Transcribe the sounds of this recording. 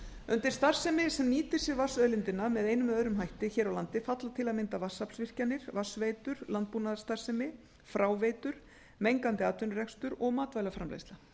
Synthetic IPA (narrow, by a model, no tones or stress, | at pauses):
ʏnt̪ɪr̥st̪ar̥sɛmɪsɛmniːt̪ɪ̥sjɛɾvḁsœɥlɪnt̪ɪnːamɛðeːjnʏmœːɾʏmɦajht̪ɪçɛːɾawlant̪ɪfat̪lat̪ʰɪlaðmɪnt̪avasːapsvɪr̥canːɪɾ̥vasvejt̪ʏɾ̥lant̪̚puːnaðḁst̪ar̥sɛmɪ | fɾaːwveːjt̪ʏɾ̥ | mejŋkant̪ɪaːt̪ʏnrɛkst̪ʏɾɔɣmaːt̪vajlafɾa̰mlḛjst̪la